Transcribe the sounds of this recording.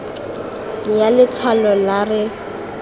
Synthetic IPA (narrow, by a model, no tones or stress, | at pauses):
jalɪt͡sʰwalɔlarɪ